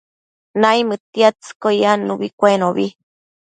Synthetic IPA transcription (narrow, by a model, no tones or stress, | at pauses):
naijmɨt̪iat͡sɨ̥kojanuβikʷenoβi